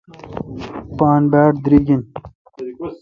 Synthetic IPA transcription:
paːnbaːʈd̪ɾiɡin

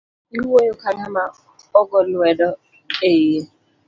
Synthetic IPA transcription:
iɦuojokanama | ɔɡɔlʊɛdɔ | eje

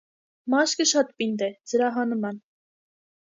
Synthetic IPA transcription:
mɑʃkəʃɑt̪pind̪ɛd͡zəɾɑɦɑnəmɑn

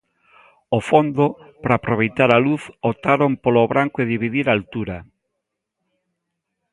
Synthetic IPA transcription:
ofond̪opɾaːpɾoβ̞ejt̪aɾaluθot̪aɾompoloβɾaŋkoeðiβ̞iðiɾalt̪uɾa

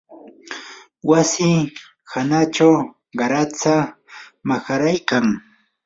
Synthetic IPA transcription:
wasɪ | hanat͡ʃaw | ɢɑɾat͡samaxaɾajkaŋ

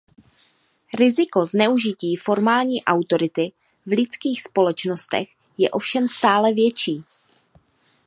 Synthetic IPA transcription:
ɾɪzɪko̞znɛuʒɪciːfo̞ɾmaːlɲiːʔawt̪o̞ɾɪt̪ɪ | vlɪt͡skiːxspo̞lɛt͡ʃno̞st̪ɛ̰x | jɛ̰ʔo̞fʃɛmst̪aːlɛvjɛt͡ʃiː

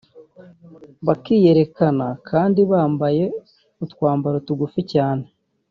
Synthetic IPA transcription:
βakiːje̞ɾe̞kanakʰaːndiβaːmbaje̞ | utwaːmbaɾotuɡuficaːne̞

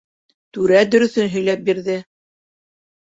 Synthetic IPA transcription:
t̪ʉɾæd̪ɵ̆ɾɵ̆θɵnɦɵ̆jlæp̚biɾðɘ

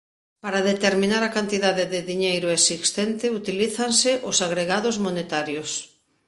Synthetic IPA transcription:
paɾaðet̪eɾmĩnaɾakant̪iðaðɪðɪðiɲejɾʊesist̪ent̪ɪut̪iliθansɪʔʊsaɣɾeɣaðʊzmonet̪aɾjos

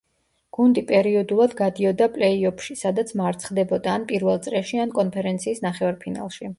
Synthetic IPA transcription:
ɡ̥und̪ipʼɛɾiɔd̪ulˠad̪ɡad̪iɔd̪apʼlɛiɔpʰʃisad̪at̪sʰmaɾt̪sʰχd̪ɛbɔd̪aːnpʼiɾvɛlˠt̪sʼɾɛʃiankʼɔnpʰɛɾɛnt̪sʰiːsnaχɛvaɾpʰina̰lˠʃi

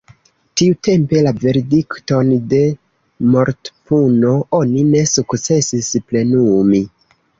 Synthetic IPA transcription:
tiute̞mpe̞lave̞ɾedikto̞nde̞ | mo̞ɾtpuno̞ʔo̞nine̞sukt͡se̞sisple̞numi

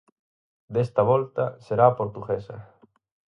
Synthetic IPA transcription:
d̪est̪ɐβɔlt̪ɐseɾaːpoɾt̪uɣesɐ̰

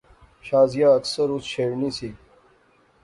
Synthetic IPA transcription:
ɕaːzijaːɐksəɾusɕeːɻnisiː

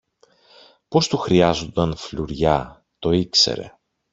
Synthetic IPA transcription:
po̞st̪uxɾiɐzo̞nd̪ɐnfluɾʝɐ | t̪o̞ikse̞̰ɾe̞̰

